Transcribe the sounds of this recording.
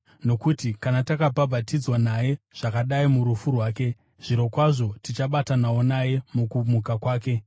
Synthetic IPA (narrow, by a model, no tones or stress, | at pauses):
no̞kutikanatakapabʱatid͡zwanaje̞ʐ̥akaɗaimuɾufurwaːke̞ | ʐ̥iɾo̞kwaʐo̞tit͡ʃaɓatanaonaje̞mukumukakwaːke̞